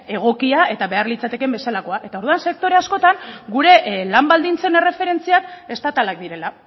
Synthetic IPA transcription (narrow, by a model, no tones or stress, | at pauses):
e̞ɣ̞o̞kiae̞t̪aβe̞arlit͡sat̪e̞ke̞mbe̞salako̞aʔe̞t̪aoɾðuanse̞k̚t̪o̞ɾe̞asko̞t̪aŋɡuɾe̞lambald̪int͡se̞ne̞re̞fe̞ɾe̞nt͡siake̞st̪at̪alak̚d̪iɾe̞la